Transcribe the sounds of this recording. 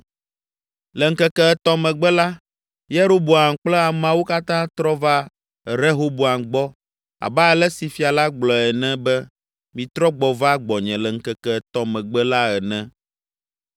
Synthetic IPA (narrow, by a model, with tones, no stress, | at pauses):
lɛ˨ŋ̩˦˨kɛ˨kɛ˦ɛ˨t̪ɔ˦mɛ̃˨ɡ͡bɛ˦la˦ | je˦ɾo˦bo˨a˨ŋk͡plɛ˦a˨m˦ã˦wo˦ka˦t̪ã˦t̪ɾɔ˦va˦ | ɛ˨ɾe˦ɦo˦bo˨a˨ŋɡ͡bɔ˦ | a̰˨ba˦ɛ˨lɛ˦si˨fi˨a˨la˦ɡ͡blɔ˨ɛ˨nɛ̃˦bɛ˦ | mĩ˨t̪ɾɔ˦ɡ͡bɔ˨va˦ɡ͡bɔ˨ɲɛ̃˨lɛ˨ŋ̩˦˨kɛ˨kɛ˨ɛ˨t̪ɔ˨mɛ̃˨ɡ͡bɛ˦la˦ɛ˨nɛ̃˦